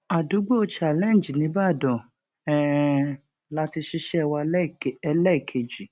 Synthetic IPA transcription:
a˨du˨˦ɡ͡bo˦o˧t͡ʃa˨lɛ̃˦˨d͡ʒi˨nĩ˨˦ba˦˨dɔ̃˨ | ɛ˦ | la˦ti˧ʃi˦ʃɛ˦˧wa˧˦˨ɛ˧lɛ˦i˨kʰe˨d͡ʒi˨

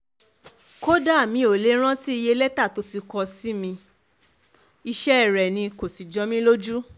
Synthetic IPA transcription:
ko˦da˦˨mĩ˧˦o˨le˦ɾ̃ã˦ti˦i˧je˧lɛ˦ta˦˨to˨˦ti˧kɔ˧si˦mĩ˧ | i˧ʃɛ˦ɛ˦˨ɾɛ˨nĩ˧ko˨si˨d͡ʒɔ˨˦mĩ˦lo˦d͡ʒu˦

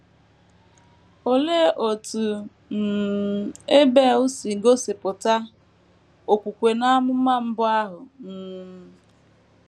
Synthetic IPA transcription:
o˨le˦ʔo˨tu˨ | n̩˨ | e˦be˦˨ʊ˦si˨ɡo˦se˨pʊ˨ta˦ | o˨kʷu˨kʷe˨na˦mʊ˦m̩˦ma˦m̩˦bʊ˦a˦ɦʊ˨m̩ː˦˨˦

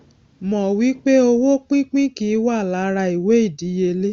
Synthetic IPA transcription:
mɔ̃˨wi˨˦k͡pe˦o˧wo˦k͡pĩ˦k͡pĩ˦kĩ˨˦wa˦˨la˨˦ɾa˧i˨we˨˦i˦˨di˨˦je˧le˦

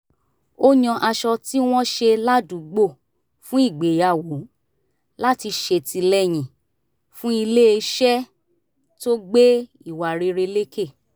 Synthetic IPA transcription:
o˦ɲɔ̃˧ʔa˧ʃɔ˧ti˦w̃ɔ̃˦ʃe˧la˦dũ˨˦ɡ͡bo˦˨ | fũ˦i˦˨ɡ͡be˨ja˨wo˨˦ | la˦ti˧ʃe˧ti˧lɛ˦j̃ĩ˨ | fũ˦i˧le˦e˧ʃɛ˦ | to˦ɡ͡be˦ | i˦˨wa˨ɾe˧ɾe˧le˦ke˦˨

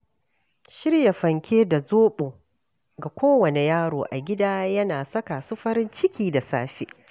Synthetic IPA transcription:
ʃɪ˦ɽja˨ɸɐ˨ŋkʲeː˦da˨zoː˦ɓoː˨ | ɡa˨kʷoː˦wɐ˨ne˨jaː˦ɽoː˨ʔa˨ɡʲɪ˦daː˦jɐ˦naː˨sɐ˦ka˨sʊ˦ɸɐ˦ɾɪ˦nt͡ʃɪ˦kʲiː˦˨da˨saː˦ɸḛː˦

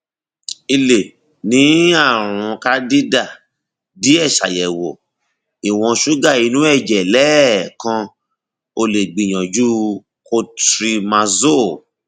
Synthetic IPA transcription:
i˧le˨ | nĩ˨˦a˦˨ɾ̃ũ˨˧ka˦di˦da˦˨ | di˨˦ɛ˦˨ʃa̰˨jɛ˨wo˨ | i˨w̃ɔ̃˧ʃu˦ɡa˦˨i˧nũ˨˦ɛ˦˨d͡ʒɛ˨lɛ˦kã˧ | o˧le˨ɡ͡bi˨j̃ɔ̃˨d͡ʒu˦ | ko˧tɾi˧mã˧zo˦˨

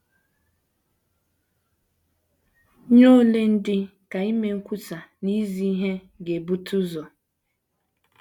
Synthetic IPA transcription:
ɲo˦le˦n̩˦dɪ˦ka˨i˦me˦ŋ̩˦kʷu˦ta˨ni˦zi˨˦i˦ɦe˦ | ɡe˨bu˦tʰu˦zɔ˨

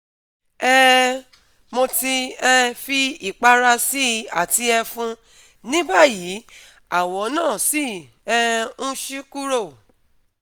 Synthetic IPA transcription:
ɛ˦ | mo˧ti˧ɛ˧fi˧i˨k͡pa˧ɾa˧si˦a̰˨ti˧ɛ˧fũ˦ | nĩ˦ba˦˨ji˨˦ | a˦˨wɔ˨˦nãː˦˨si˦ | ɛ˧ũ˦ʃi˦ku˦ɾo˦˨

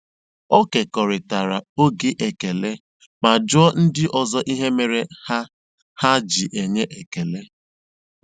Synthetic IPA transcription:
o˦ke˨kɔ˨ɾɪ˨ta˨ɾa˨o˦ɡɪ˦ʔe˨ke˨le˦ | ma˨d͡ʒʊ˦ɔ˦n̩˦dɪ˦ʔɔ˨zɔ˦ʔi˦ɦe˦me˨ɾe˦ha˦ | ha˦d͡ʒi˨ʔe˨ɲe˦ʔe˨ke˨le˦

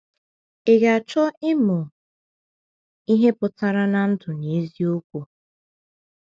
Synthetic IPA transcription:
e˨ɡa˨t͡ʃɔ˦ɪ˦mʊ˨ | i˦ɦe˦pʊ˨ta˦ɾa˦na˨n̩˦tʊ˨ne˨e˦zi˦o˦kʷu˨

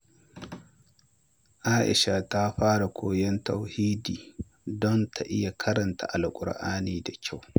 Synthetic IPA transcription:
ʔaː˦ʔɪ̰˨ʃa˨ta˦ɸaː˦ɽa˨kʷʰoː˨jɛ˦nta˨whiː˦diː˨ | dɔ˦ntʰa˨ʔɪ˦ja˨kʰɐ˦ɾɐ˨nta̰˨ʔa˨lkʷʼʊ̰˨ɽʔaː˦niː˨da˨kʲʰa˦˨w

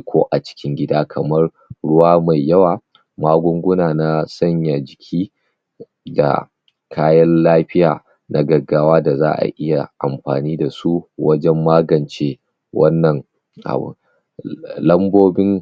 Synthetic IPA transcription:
kʰʷoː˦ʔa˨t͡ʃɪ̥˦kʲɪ˦ŋɡʲɪ˦daː˦kʰɐ˨mɐ˦r | ɽʊ˦waː˦ma˨jːɐ˦waː˨ | maː˦ɡʷʊ˦ŋɡʷʊ˦naː˨na˦sɐ˦ɲja˨d͡ʒɪ˨kʲʰiː˦ | da̰˨ | kʰaː˦jɐ˦nlaː˦ɸɪ˦jaː˨ | nʔa˦ɡɐ˨ɡaː˦waː˦da˨za̰ː˦ʔa̰˨ʔɪ˦ja˨ʔa˨mɸa̰ː˨niː˦da˨su˦wɐ˦d͡ʒɛ˦mːaː˦ɡɐ˨nt͡ʃe˦ | wɐ˦nːɐ˨ŋ | ʔa̰˨bṵ˨ | lɐ˦mboː˦bɪ˦ŋ

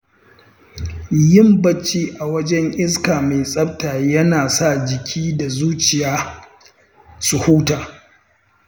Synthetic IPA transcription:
jɪ˦mbɐ˦t͡ʃːiː˦ʔa˨wɐ˦d͡ʒɛ˦ŋʔɪ˦skaː˨meː˨sʼɐ˦b̚taː˨jɐ˦naː˨sa˦˨d͡ʒɪ˨kʲʰiː˦da˨zuː˦t͡ʃɪ˨jaː˦ | su˨huː˦taː˨

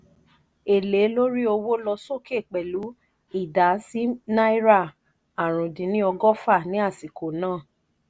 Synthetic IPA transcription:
e˨le˨˦lo˦ɾi˦o˧wo˦lɔ˧so˦˨ke˦˨k͡pɛ˨lu˨˦ | i˦˨da˨˦si˦na˦i˦ɾa˦˨ | a˨ɾ̃ũ˨dĩ˨˦nĩ˦ɔ˧ɡɔ˦fa˦˨nĩ˨˦a˦˨si˨kʰo˨nãː˦˨

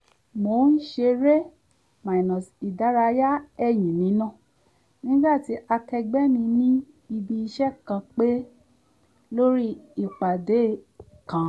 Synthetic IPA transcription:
mo˧˦n̩˦ʃe˧ɾe˦ | mã˨i˨nɔ̃˨si˨da˨˦ɾa˧˦ja˦ɛ˦˨j̃ĩ˨nĩ˨˦nã˦˨ | nĩ˦ɡ͡ba˦˨ti˨˦ʔa˧kɛ˧ɡ͡bɛ˦mĩ˧nĩ˦ | i˧bi˧i˧ʃɛ˦kã˧k͡pe˦ | lo˦ɾi˦i˦˨k͡pa˨de˨˦˨ | kã˨˦

